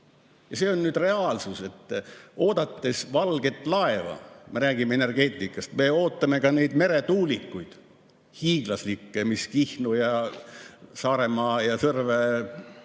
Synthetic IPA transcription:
jɑse̞onnyːd̪re̞ɑːlsuse̞t̪ːo̞ːd̪ɑt̪ːe̞svɑlɡ̥e̞t̪ːˑlɑe̞vɑ̰me̞ɾæːɡimeene̞rɡ̥e̞ːt̪ʲˑːikːˑɑst̪me̞o̞ːt̪ːˑɑme̞kɑne̞jd̪̥me̞ɾe̞t̪uːlʲikːujd̪̥ | hiːɡ̥lɑslikːemiskihnujɑ | sɑːɾe̞mɑːjɑsɤrve

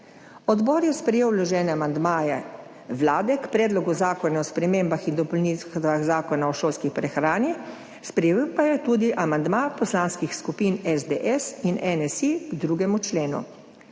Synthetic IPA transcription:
ɔd̪bɔːɾjɛspɾɛjeːwlɔʒɛːnɛamand̪maːjɛ | ʋlaːd̪ɛkpɾɛːd̪lɔɡuzaːkɔnaɔspɾɛmeːmbaxind̪ɔpɔlnit̪ʋaɣzaːkɔnaɔʃoːlskipɾɛxɾaːni | spɾɛjipajɛt̪uːd̪iʔamand̪mapɔslaːnskixskupiːnɛzd̪eʔɛsinʔɛnɛsiɡd̪ɾuːɡɛmut͡ʃleːnṵ

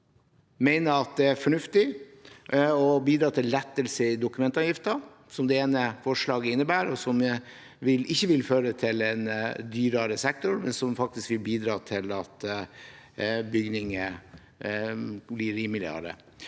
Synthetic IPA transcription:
mæɪnəɾɑt̪̚d̪ɛæɾfɔɳʉft̪ɪ | ɔbiːd̪ɾɑːt̪ʰɪlːɛt̪ːəlsəɪd̪ʊkʉmɛnt̪ɑʋjɪft̪ə | sɔmd̪ɛeːnəfɔʂɭɑːɡəɪnːəbæːɾɔsɔm | ʋɪlɪçːəʋɪlføːɾət̪ʰɪlɛnd̪yːɾɑɾəsɛk̚t̪ʊɾmɛnsɔmfɑk̚t̪ɪskʋɪlbiːd̪ɾɑːt̪ʰɪlɑt̪ | bʏɡnɪŋə | blɪɾiːmɪlɪɑ̰ɾə̰

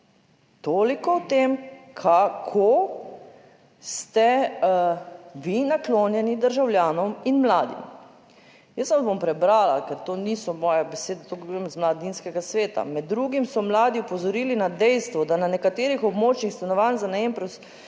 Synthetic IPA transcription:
t̪oːlikɔwt̪eːmkʰakʰo | st̪ɛ | ʋinakloːnjɛnid̪əɾʒawljaːnɔminmlaːd̪ḭm | jəsanbompɾɛbɾaːlakɛɾt̪oːnisɔmɔːjabɛseːd̪ɛt̪okemzmlad̪inskɛɡasʋeːt̪a̰mɛd̪ːɾuɡimsɔmlaːd̪iupɔzɔɾiːlinad̪ɛjst̪ʋɔd̪ananɛkat̪eːɾixɔbmoːt͡ʃnixst̪anɔʋanzanaeːmpɾus

